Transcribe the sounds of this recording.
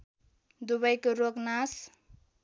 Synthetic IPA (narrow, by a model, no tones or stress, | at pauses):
d̪uβʌjkoɾoknas